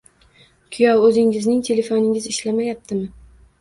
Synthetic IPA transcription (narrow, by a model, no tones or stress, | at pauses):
kʲʰʊjɒwɵzɪŋɪznɪŋt̪ʰe̞le̞fonɪŋʲɪzɪʃlamajap̚t̪ʰɪmɪ